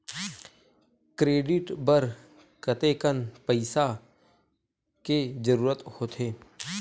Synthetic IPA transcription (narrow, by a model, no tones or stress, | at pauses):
kɾeːɖɪʈbəɾ | kət̪eːkənpəɪsa | kezəɾuːɾət̪hoːt̪ʰeː